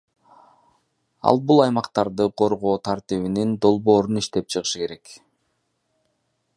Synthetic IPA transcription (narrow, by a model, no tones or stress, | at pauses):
ɑ̰lˠbulˠɑjmɑqt̪ɑɾd̪ɯqʰo̞ɾʁo̞ːt̪ʰaɾt̪iβinind̪o̞lˠbo̞ːɾuniʃt̪e̞p̚t͡ʃʰɯʁɯʃɯke̞ɾe̞k